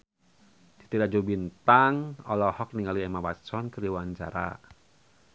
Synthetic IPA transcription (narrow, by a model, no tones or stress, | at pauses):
d̥i̤̥t̪iɾad͡ʒobint̪aŋɔlɔhɔk̚niŋaliɛmawasɔnkəɾiwaɲt͡ʃa̰ɾa̰